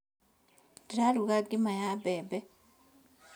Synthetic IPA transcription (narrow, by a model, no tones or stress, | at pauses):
diɾaluɣaɡimajabebe